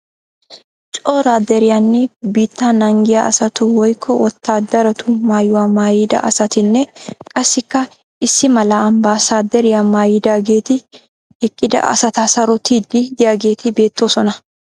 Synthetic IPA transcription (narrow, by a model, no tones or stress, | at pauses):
t͡ʃʼo̞ːɾaːd̪ɛɾɪjaːnːɛbiːt̪ːaːnɐŋɡɪjaɐ̰sɐt̪ʊwɔjkʰːɔwɔt̪ːaːd̪ɐɾɐt̪ʊmaːjʊwaːmaːjɪd̪ɐ̰ʔɐsɐt̪ɪnːɛkʼɐsːɪkːɐ | ʔɪsːɪmɐlaːɐmbaːsaːd̪ɛɾɪjaːmaːjɪd̪aːɡe̞ːt̪ɪ | hɛkʼːɪd̪ɐ̰ʔɐ̰sɐt̪aːsɐɾɔt̪iːd̪ːɪd̪ɪjaːɡe̞ːt̪ɪbe̞ːt̪ːo̞ːsɔnɐ